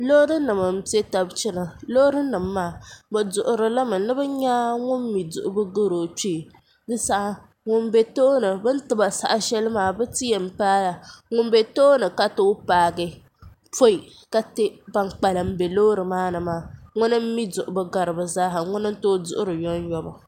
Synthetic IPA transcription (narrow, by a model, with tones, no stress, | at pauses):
lo˦ɾɨ˦nɨ˨mɨ˨m̩˦te˦ta˨bt͡ʃɪ˦nɨ˨lo˦ɾɨ˦nɨ˨mː˦aː˦bɨ˨dʊ˨ʔʊ˨ɾɨ˨la˦mɨ˨nɨ˦bɨ˦ɲaː˦ŋʊ˦m̩ː˦i˨dʊ˨ʔʊ˨bɨ˦ɡɨ˦ɾo˨t͡ʃi˦˨ | dɨ˦sa˦ʔa˦ | ŋʊ˦n˦be˨toː˦nɨ˨bɨ˦n̩˦tɨ˦ba˨sa̰˨ʔa˨ʃɛ˦lɨ˦maː˨bɨ˦ti˦jɛ˨m̩˨paː˦la˨ŋʊ˦m˦be˨toː˦nɨ˨ka˦to˦paː˨ɡɨ˦ | fo˦i˨ | ka˦te˦ba˦ŋk͡pa˨lɨ˨m̩˦be˨lo˦ɾɨ˨maː˦nɨ˨maː˦ŋʊ˦nɨ˦m̩˦mi˦dʊ˨ʔʊ˨bɨ˦ɡa˨ɾɨ˨bɨ˨zaː˦ɦɨ˨ŋʊ˦nɨ˦n̩˦to˦dʊ̰˨ʔʊ˦ɾɨ˨jɔ˦n˦jɔ˦ba˨